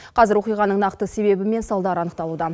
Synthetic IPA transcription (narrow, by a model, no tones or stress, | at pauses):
qʰɑzɪɾwo̞qijʁɑnəɴnɑqt̪əse̞βe̞bɪme̞nsɑlˠd̪ɑɾɑnəqt̪ɑlˠud̪ɑ